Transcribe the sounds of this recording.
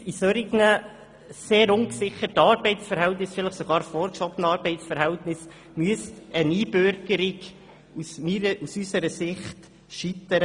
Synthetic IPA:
isœɾiɡnə | seːɾʊŋksɪχətɑːɾbɛɪtsfəɾhɛltnɪsfɪləχsoɡɑːɾfɔːɾkʃɔbənɑːɾb̥ɛɪtsfəɾhɛltnɪs | myəst̪əniːbøɾɡəɾɪɡ | usmiəʔusysəɾəsɪχt | ʃit̪əɾə

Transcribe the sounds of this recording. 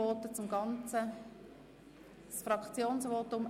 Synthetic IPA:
ɔt̪ət͡sʊmɡɑnt͡sə | sfrɑkt͡sjoːnsʋɔt̪ʊm

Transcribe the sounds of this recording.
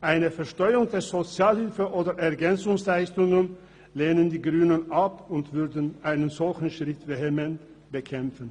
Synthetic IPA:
ʔaɪnəfɛɐʃtɔʏəʊŋdeːɐzot͡sjaːlhɪlfəʔoːdɐʔɛɐɡɛnt͡sʊŋslaɪstʊŋən | leːnəndiːɡʁyːnənʔapʊntv̥ʏɐdn̩ʔaɪnənzɔlçn̩ʃʁ̥ɪtvehemɛnt | b̥əkʰɛmfn̩

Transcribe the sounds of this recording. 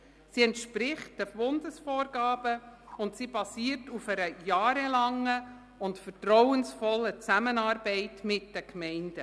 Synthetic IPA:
siɛntʃpɾɪχt̚d̥əbʊndəsfɔːɾɡɑːb̥əʊntsiːbɑsiːəɾtufɛɾəjɑːɾəlɑŋːə | ʊntfətɾɔwənsfɔlːət͡sæmənɑːɾbɛɪtmɪt̚d̥ɛkmɛɪnd̥ə

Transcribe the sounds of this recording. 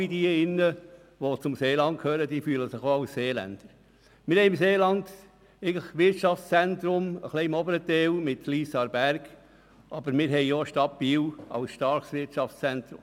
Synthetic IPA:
idiɪnːə | ʋot͡sʊmseːlɑnt̚kʰhøːɾəd̥iːfyːləsɪχoːɑʊsːeːlæ̰nd̪̥əɾ | mɪɾhɛɪɪmseːlɑnd̪ | ɛɪɡŋ̩ləχʋɪtʃɑft͡sst͡sɛntɾʊmə̰χliɪmɔbəɾət̪ɛlmɪtliːsɑɾbæɾɡ | ʔɑbəɾmɪːɾɦɛjjɔʃtɑbiːwɑ̰wsʃtɑɾχsʋɪɾtt͡ʃɑft͡st͡sɛnt̪ɾʊ̰m

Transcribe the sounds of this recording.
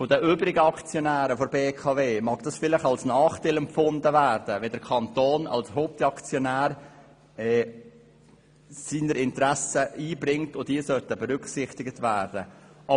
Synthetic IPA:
fodəʔøːbɾɪɡəɑkt͡sjonæːɾəfoɾbeːkʰɑveːmɑːɡ̥d̥ɑsfɪlɪχɑlsnɑːχtalɛmfʊndəvæːɾd̥əʋɛdəɾkʰɑntoːnɑ̰lshoːp̚tɑkt͡sjɔnæːɾ | ɛː | siːnəɾɪntɾæsəiːbɾɪŋtʊdiːsœtəbɛɾʏksɪχtɪɡətvæːɾd̥ə | ʔɑ

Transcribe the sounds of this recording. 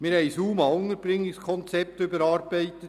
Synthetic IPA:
mɪːɾhɛɪsuːmɑʊnəɾb̥ɾɪŋːɪkskʰɔnt͡sɛp̚t̪ʏbəɾɑːɾbɛɪt̪ət

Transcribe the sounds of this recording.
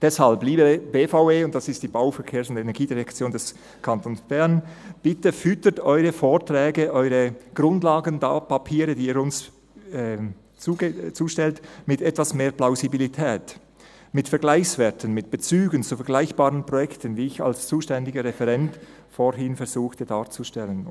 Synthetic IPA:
d̥ɛshalbliːbəbeːfaʊveːʊnt̚d̥asɪstd̥iːbaʊfɛʁkʰeːɐsʊndenɛɐɡiːdiʁɛkt͡sjoːndɛs | kʰantʰonsb̥ɛʁnb̥ɪtəfʏtətɔʏʁəfoːʁtʁɛːɡəʔɔʏʁəɡ̥ʁʊndlaːɡənda̰ːpapʰiːʁədiːiːɾʊns | ɛ | t͡sut͡suːʃtɛltmɪtɛtv̥asmeːplaʊzibilitʰɛːt | mɪtfɛɐɡlaɪçsvɛtʰənmɪt̚b̥ət͡syːɡənt͡sufɛɐɡ̥laɪçb̥aːʁənpʁ̥ɔjɛktənviːɪça̰lst͡suːʃtɛndɪɡəʁɛfɛʁɛnt | foɦɪnfɛɾzuːxtədaːʁt͡suʃtɛlən

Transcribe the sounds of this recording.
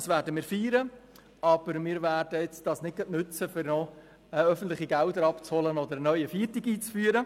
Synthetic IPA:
svæːɾdəmɪːɾfiːɾə | ɑb̥əɾmɪːɾvæːɾd̥əɛt͡sd̥ɑsnɪd̚ɡɑtnʉt͡səfɪɾnɔ | ɛœfən̩t̪lɪχiɡældəɾɑpt͡shɔlənɔd̪əɾənœʏəfiːrtiɡiːt͡sfyːəɾə

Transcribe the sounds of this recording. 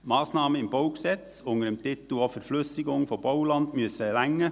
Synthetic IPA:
mɑːsnɑːməɪmboʊksɛt͡sʊŋəɾəmt̪ɪt̪l̩ɔfɛɾflʏsɪɡʊŋfɔb̥olɑnd̪myəsəɛlæŋːə

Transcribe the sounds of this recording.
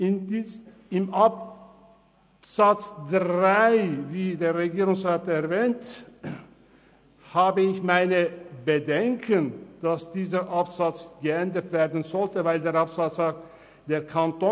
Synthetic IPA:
ʔɪnd | ɪmʔap | z̥at͡sdʁaɪviːdeːɐʁeɡiːʁʊŋsʁaːtɛɐvɛːnt | haːbəɪçmaɪnəbədɛŋkʰənd̥asd̥iːzəʔapz̥at͡sɡ̥əɛndətv̥eːɐdn̩zɔltəvaɪldeːɐapsat͡saː | d̥eːɐkʰantoː

